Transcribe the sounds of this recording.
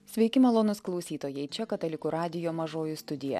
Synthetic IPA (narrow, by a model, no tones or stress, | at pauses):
sʲʋʲɛɪkʲɪmɐlˠoːnʊsklˠɒʊsʲiːt̪oːjɛɪt͡ʃʲɛkɐt̪ɐlʲɪkuɾɑːd̪ʲɪjoːmɐʒoːjust̪ʊd̪ʲɪjɛ̰